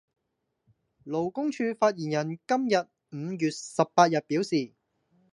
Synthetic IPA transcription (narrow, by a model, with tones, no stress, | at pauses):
lo˨˩wkʊ˥ŋt͡ʃʰyː˧faː˧t̚jiː˨˩njɐ˨˩nkɐ˥mjɐ˨t̚ | m̩ː˨˧jyː˨t̚sɐ˨pːaː˧t̚jɐ˨t̚pi˨˥wsiː˨